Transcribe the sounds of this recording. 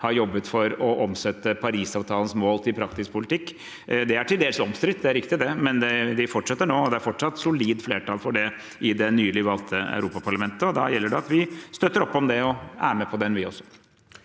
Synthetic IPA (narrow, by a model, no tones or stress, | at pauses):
hɑɾjɔbːət̪fɔɾɔʔɔmsɛt̪ːəpʰɑɾiːsɑːʋt̪ʰɑːlənsmoːlt̪ʰɪlpʰɾɑksɪspʰʊlɪt̪ʰɪkː | d̪ɛæʈʰɪld̪eːlsɔmst̪ɾɪt̪̚ːd̪ɛæɾɪkt̪ɪd̪ɛmɛnd̪ɛʋɪfɔʈʂɛt̪ːəɳoːɔd̪ɛæɾfɔʈʂɑt̪ːsʊliːd̪fleːʈɑlfɔɖɛ | ʔɪd̪ɛnyːlɪʋɑlt̪ʰəæ̰ʉɾuːpɑpʰɑɭɑmɛnt̪əɔd̪ɑjɛlːəɖɛɑt̪ʋɪst̪œt̪ːəɾɔpːɔmd̪ɛɔæ̰ːɾəmɛpʰɔd̪ɛnʋɪɔsːɔ̥